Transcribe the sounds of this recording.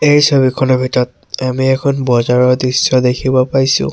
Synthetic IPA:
ejsoβikʰɔnɔbʱitɔɔt̚ | amiɛkʰɔnbɔzaɹɔɹdɹisːɔdekʰibɔpajsʊ̰̃

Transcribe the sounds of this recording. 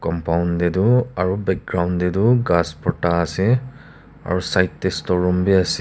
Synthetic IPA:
kɔmpaʊndɛdʊaɹubɛk̚ɡɹawndɛdʊɡaspɔtaːsi | a̰ɹusajtːestɔɹɔmbiasi

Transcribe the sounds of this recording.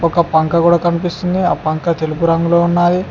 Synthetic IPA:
ɔkɐpɐŋkɐkuːɽaːkɐnipist̪und̪iaːpɐŋkɐt̪elup̬uɾɐŋɡuloːunːaːji

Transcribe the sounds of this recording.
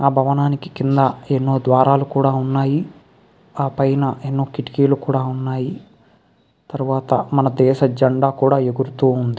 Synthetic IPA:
aːbʱɐʋɐnaːniki̥kind̪ɐenːoːd̪ʋaːɾaːlukuːɽaːunːaːji | aːpɐjnɐenːoːkiʈi̥kiːlukuːɽaːunːaːji | t̪ɐɾuʋaːt̪ɐmɐnɐd̪ɛːʃɐd͡ʒɐɳɖaːkuːɽaːeɡuɾut̪uːund̪i

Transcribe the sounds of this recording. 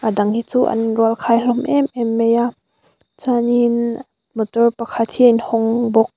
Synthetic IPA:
ʔadaŋhit͡suːʔɐ̰nruəlkʰajlɔmʔɛmʔɛmːɛja | t͡sanin | mɔt̪ɔrpakʰat̪̚hiinhɔŋbɔk̚

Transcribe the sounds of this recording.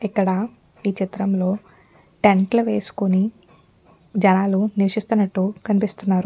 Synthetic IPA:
ikːɐɽɐ | iːt͡ʃit̪ɾɐmlo̞ː | ʈeɳʈluʋe̞ːsu̥kuni | d͡ʒɐnaːluniʋɐʂist̪unːɐʈːukɐnipist̪unːaːɾu

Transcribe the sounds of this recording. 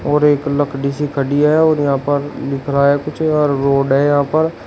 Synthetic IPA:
ɔːɾeːkləkʰɖiːsiːkʰəɖiaɦɛɔːɾjəɦãːpəɾlɪkʰɾaːɦɛːkʊt͡ʃʰːɾːoːɖɦɛːjəɦãːpəɾ

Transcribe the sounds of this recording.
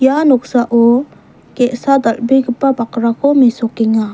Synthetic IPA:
janɔk̚saʔɔ | kɛʔsad̪ɐlbiɡɯpːabakɾakʰɔmisɔkiŋa

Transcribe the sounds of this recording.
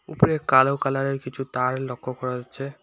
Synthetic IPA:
upoɾekalowkalaɾeɾkit͡ɕʰut̪aɾlokʰːokɔɾaɦatːɕʰe

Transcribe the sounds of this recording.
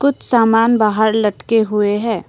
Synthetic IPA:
kʊt͡ʃʰsaːmaːnbaːɦəɾlɐʈkeɦʊeɦɛ̃ː

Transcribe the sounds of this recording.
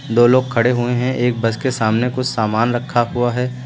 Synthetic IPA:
d̪oːloːɡ̚kʰɐɽeɦueɦɛ̃ʔeːk̚bɐskesaːmnekʊt͡ʃʰsaːmaːnɾɐkʰːaɦuaɦɛː

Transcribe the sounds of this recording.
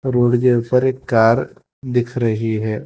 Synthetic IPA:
ɾoːɽd͡ʒepɐɾeːkːaːɾ | d̪ɪkʰɾɐɦiɦɛː

